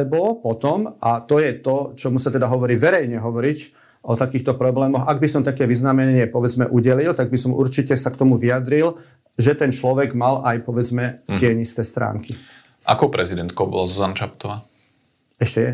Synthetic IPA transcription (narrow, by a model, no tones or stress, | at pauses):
ɛbɔpɔt̪ɔmat̪ɔjɛt̪ɔt͡ʃɔmusat̪ɛd̪aɦɔʋɔɾiːʋɛɾɛjɲɛɦɔʋɔɾic | ɔt̪akiːxt̪ɔpɾɔblɛːmɔxaɡ̚bisɔmt̪akɛːʋiznamɛɲɪɛpɔʋɛd͡zmɛ̰ʔuɟɛlilt̪aɡ̚bisɔmʔuɾt͡ʃicɛsakt̪ɔmuʋiad̪ɾil | ʒɛt̪ɛnt͡ʃlɔʋɛɡmalajpɔʋɛd͡zmɛkɪɛɲist̪ɛːst̪ɾa̰ːŋki | ʔa̰kɔʊpɾɛzid̪ɛnt̪kɔʊbɔ̰lazuzanat͡ʃap̚t̪ɔʋaː | ɛʃcɛjɛ